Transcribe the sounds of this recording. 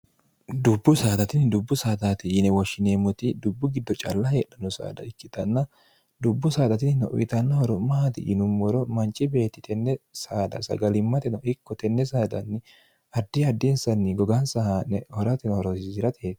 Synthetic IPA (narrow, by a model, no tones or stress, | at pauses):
d̪ʊbːʊsaːd̪ɐt̪ɪnd̪ʊbːʊsaːd̪at̪ɪɪnɛwɔʃːɪneːmːɔt̪ɪd̪ʊbːʊɡɪd̪ːɔt͡ʃʼɐlːɐheːɗɐnɔsa̰ːd̪ɐ̰ɪkːɪt̪ɐnːɐ | d̪ʊbːʊsaːd̪ɐt̪ɪnɔʔʊ̰ʔɪt̪ɐnːɐhɔɾɔmːɐhɐt̪ɪ̰ʔɪ̰nʊmːɔɾɔmɐnt͡ʃʼːɪbe̞ːt̪ːɪt̪ʰɛnːɛsaːd̪ɐ̰sɐ̰ɡɐlɪmːɐt̪ɪnɔʔɪkːɔt̪ɛnːɛsaːd̪ɐ̰nːɪ | ɐd̪ːɪɐd̪ːɛnsɐnːɪɡɔɡɐnsɐhanɛhɔɾɐt̪ɪnhɔɾɔzɪɾɐt̪ʰeːt